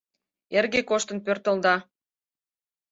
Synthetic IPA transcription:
erɡekoʃt̪ə̆npørt̪ə̆ld̪ɑ

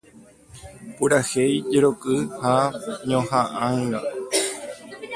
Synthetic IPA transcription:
puɾahejd͡ʒeɾokɨhaɲõhãʔãŋɡa

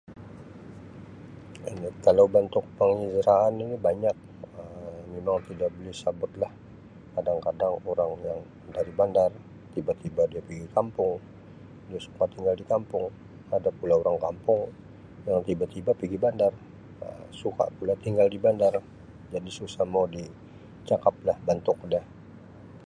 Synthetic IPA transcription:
inikalawbənt̪ʊk̚pəŋizɾaːninibaɲak̚əmmemaŋt̪idaʔbəlɪhsabʊt̪̚lah | kadaŋkadaŋoɾaŋjaŋ | daɾibandar | t̪ibat̪ibadiapiɡikampʊŋ | diasu̥kat̪iŋɡaldikampʊŋ | adapulaoɾaŋkampʊŋ | jaŋt̪ibat̪ibapiɡibandar | ə̰msuka̰pulat̪iŋɡaldibandar | d͡ʒadisusahmawdi | t͡ʃakap̚lahbənt̪ʊk̚dah

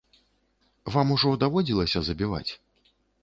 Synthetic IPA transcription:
vamuʐɔd̪avɔd͡zʲilˠɐsʲɐzɐbʲiva̰t͡sʲ

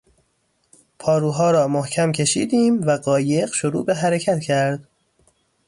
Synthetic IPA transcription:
pʰɒːɾuːɦɒːɾɒːmohcʰæmcʰe̞ʃḭːd̪iːmvæɢɒːje̞ɢʃoɾṵːbeɦæɾecʰæt̪cʰæɾd̪̥

